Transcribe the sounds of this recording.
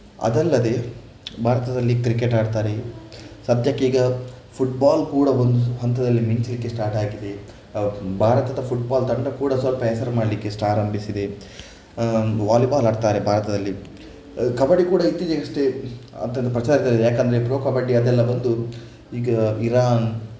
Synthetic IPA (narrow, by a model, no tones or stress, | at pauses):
ɐ̰d̪ɛlːɐd̪e̞ | bʱaːɾɐt̪ɐd̪ɐlːikɾikːeʈaːɖt̪aːɾesɐd̪ʱjɐkːeiːɡɐ | pʰuʈ̚baːlkuːɽɐʋond̪uɦɐnt̪ɐd̪ɐlːimiɲt͡ʃilikːesʈaːɾʈaːɡid̪e̞ | bʱaːɾɐt̪ɐd̪ɐpʰuʈ̚baːlt̪ɐɳɖɐkuːɽɐsɐlpɐɦɛsɐɾmaːɽlikːesʈaːɾɐmbisid̪e̞ | ʋaːlibaːlaːɖt̪aːɾebʱaːɾɐt̪ɐd̪ɐlːi | kɐbɐɽikuːɽɐit̪ːid͡ʒɐɡɐʂʈeɐ̰nd̪ɐnd̪ɐpɾɐt͡ʃaːɾit̪ɐɾid̪ejaːkɐnd̪ɐɾepɾoːkɐbɐɽiɐd̪ɛlːɐʋɐnd̪u | iːɡɐiɾaːn